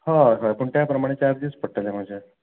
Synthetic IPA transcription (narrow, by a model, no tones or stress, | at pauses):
hãɦãpəɳʈ̪japɾəmaɽ̃et͡ɕaɾd̪ispəɽʈːalem̤ad͡ʑʱa